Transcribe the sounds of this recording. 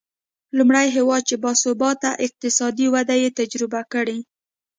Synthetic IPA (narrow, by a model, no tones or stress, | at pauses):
lumɽajɦewɑd̪̚t͡ʃebɑsʊbɑt̪aʔɪq̚t̪ɪsɑd̪iwad̪ajet̪ad͡ʒɾɪbakəɽi